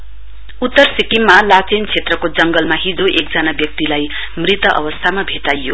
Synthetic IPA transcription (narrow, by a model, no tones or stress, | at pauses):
ut̪ːʌrsikimːalat͡sent͡sʰet̪rʌkod͡zʌŋɡʌlmaɦid͡zoʔek̚d͡zʌnabjʌk̚t̪ilaj | mrit̪ʌʔʌ̰bʌst̪ʰamabʱet̪ajːo